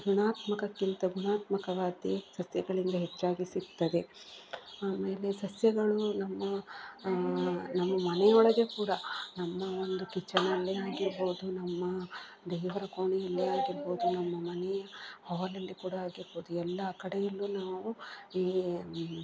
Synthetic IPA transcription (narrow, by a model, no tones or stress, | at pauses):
ɡuɳaːt̪mɐkɐkːint̪ɐɡuɳaːt̪mɐkɐʋaːd̪isɐsjɐɡɐɭind̪ɐɦet͡ʃːaːɡisikt̪ːɐd̪e̞ | aːme̞ːle̞sɐsjɐɡɐɭunɐmːɐ | nɐmːɐmɐnɛjɐɔɭɐɡekuːɽɐnɐmːɐo̞nd̪ukit͡ʃːɐɳɐlːiaːɡiɾbo̞ːd̪unɐmːɐ | d̪ɛːʋɐɾɐko̞ːɳijɐlːiaːɡiɾbo̞ːd̪unɐmːɐmɐnɛjɐhɔʋɐlɐlːikuːɽɐaːɡiɾbo̞ːd̪uɛlːɐːkɐɽejɐlːunaːʋuiː